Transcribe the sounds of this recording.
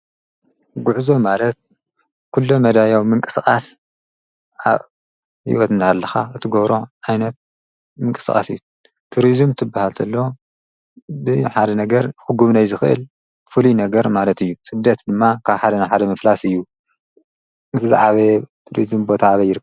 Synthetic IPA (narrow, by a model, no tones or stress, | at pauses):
ɡuʕzo̞malɐt̪̚ | kʰulːomɐd̪ajawmɨŋkʼɨ̥skʼas | ʔa̰β | hḭwɔt̪ɨnt̪ʰaalːɐxa̰ɨt̪ʰɨɡoβɾo̞ʕajnɐt̪̚ | mɨŋkʼɨskʼa̰sɨjːu | t̪ʰuɾizɨmt̪ʰɨbːahalt̪ʰɐlːo | bɨħad̪ɐnɐɡɐɾxɨɡuβnajzɨxɨʔɨ̰l | fɨlinɐɡɐɾmalɐt̪ɨjːusɨd̪ːɐt̪d̪ɨmːakʰaβħad̪ɐnaħad̪ɐmɐflasɨjːu | ɨt̪ʰɨza̰ʕaβet̪ʰuɾizɨmbo̞t̪ʰaaβɐjɪɾɨkːɐ